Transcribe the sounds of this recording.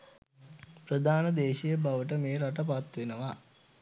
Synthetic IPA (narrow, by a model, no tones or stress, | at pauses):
pɾəd̪ʱaːnəd̪eːʃijəbaʋəʈ̬əmeːɾaʈəp̬at̪ʋenəʋa